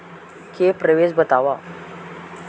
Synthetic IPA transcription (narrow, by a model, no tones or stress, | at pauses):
kepɾəʋesbət̪aʋa